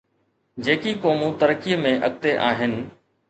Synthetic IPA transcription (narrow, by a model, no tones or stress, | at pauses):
d͡ʑeːkikoːmũt̪əɾəkijəmẽʔə̰ɠ̚t̪eʔa̰ːɦɪnɪ̆